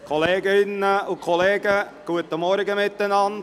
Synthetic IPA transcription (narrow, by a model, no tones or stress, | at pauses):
kʰoleːɡəɪnːəʊkʰoleːɡə | ɡ̥uətəmɔɾɡəmɪt̪ːənɑnd